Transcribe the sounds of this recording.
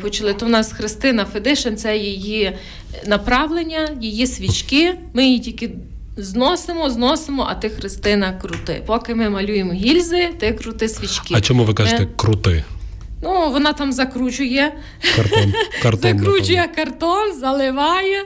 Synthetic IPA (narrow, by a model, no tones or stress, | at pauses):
pɔt͡ʃʊlˠɪt̪ɔnɑsxɾɪst̪ɪnɐfed̪ɪʃent̪sɛjeji | nɐpɾɑʋlˠenʲːɐjijisʲʋʲit͡ʃkɪmɪjitʲilʲkɪ | znɔsemɔznɔsemɔʔɐt̪ɪxɾɪst̪ɪnɐkɾʊt̪ɪ̰pɔkɪmɪmɐlʲujemɔɦʲilʲzɪt̪ɪkɾʊt̪ɪsʲʋʲit͡ʃkɪɐt͡ʃɔmuʋɪkaʒt̪ɛkɾʊt̪ɪ | nuʋɔnɑt̪ɑmzɐkɾut͡ʃʊjɛ | kɐɔnkɐɾzɐkɾɾut͡ʃʊjɛkɐrt̪ɔnzɐlˠɪʋɑjɛ